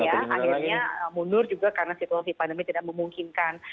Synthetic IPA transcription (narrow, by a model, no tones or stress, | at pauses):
jaʔaiɲaəmunʊrd͡ʒuɡakaɾənasit̪uasiepandəmit̪idaʔ̚məmuŋkinkan